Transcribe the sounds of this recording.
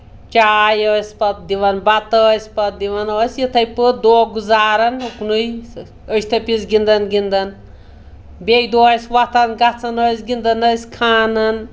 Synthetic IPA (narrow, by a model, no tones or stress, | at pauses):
t͡ʃaːjəsʲpɐt̪̚d̪iʋɐnbɐt̪əːsʲpɐt̪̚d̪iʋɐnoːsjit̪ʰɐjpɨd̪oːɡuzaːɾɐnuknuj | əst̪ʰɐpit͡sɡind̪ɐnɡind̪ɐn | bejd̪oːsʲʋɐt̪ʰɐnɡɐt͡sʰɐnəːsɡind̪ɐnəsʲkʰaːnɐn